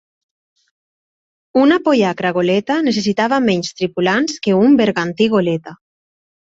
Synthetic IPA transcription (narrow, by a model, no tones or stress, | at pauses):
unapojakɾaɣ̞olet̪anes̬es̬it̪aβamɛɲst̪ɾipulanskeumbeɾɣant̪iɣolet̪a